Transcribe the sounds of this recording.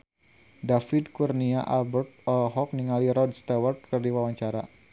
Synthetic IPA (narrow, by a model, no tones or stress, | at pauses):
dafɪd̪kurniaʔalbərt̪̚ɔlɦɔk̚niŋaliɾɔd̚st̪awərt̪̚kərdiwawaɲt͡ʃaɾa